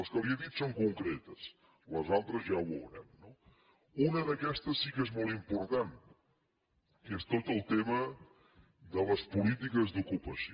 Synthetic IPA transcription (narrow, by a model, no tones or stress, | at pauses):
ɐskɐβiɐðit̪u̥sõŋkoŋkɾɛt̪ɐs | lɐzalˠt̪ɾɐzʒaβo̰ɾɐ̰nnɔ | unɐðɐkɛst̪ɐsːikɛzmolˠimpoɾt̪ãnt̪ | kɛst̪ot̪ɐlˠt̪emɐ | ðəlɐspulit̪̬ikɐzðukupɐsj